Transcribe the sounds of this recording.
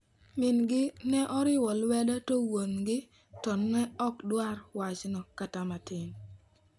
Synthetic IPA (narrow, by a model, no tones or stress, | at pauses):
mɪnɡɪnɛʔɔɾɪwɔlwɛdatowonɡɪ | tɔnːɛɔkdwaɾwat͡ʃnɔkatamatɪn